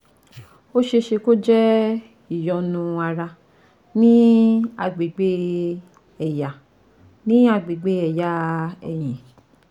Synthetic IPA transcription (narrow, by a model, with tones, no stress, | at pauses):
o˦ʃe˧ʃe˧ko˦d͡ʒɛ˦ | i˨jɔ˨nũ˧a˧ɾa˧ | nĩ˦a˧ɡ͡be˨ɡ͡be˦ | ɛ˨ja˨ | nĩ˦a˧ɡ͡be˨ɡ͡be˦ɛ˨ja˨˦ɛ̰˨j̃ĩ˨